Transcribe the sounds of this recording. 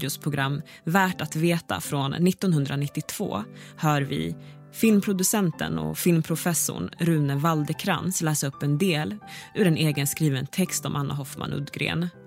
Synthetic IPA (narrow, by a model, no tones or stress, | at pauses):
ʊspʰɾʊɡɾamː | væːʈat̪veːt̪a̰fɾɔnːɪt̪ːɔnhɵnd̪ɾanɪt̪ːɪt̪ʰv̥o̰ːhœːɾvɪ̰ | fɪlmpʰɾʊd̪ɵsɛnt̪ə̰nɔ̰fɪlmpʰɾʊfɛsːʊ̰ɳɾʉ̟ːnəvald̪əkʰɾa̰nslɛːsɾɵpːɛnd̪eːlʉːɾɛneːɡənskɾiːvənt̪ʰɛkst̪ɔmʔanːa̰ɦɔfma̰nʔɵ̰d̪ɡɾḛːn